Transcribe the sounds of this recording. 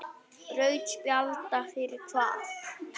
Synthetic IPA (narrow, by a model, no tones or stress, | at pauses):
rœɥt͡ʃpjalt̪afɪɾɪ̥t̪ʰvaːθ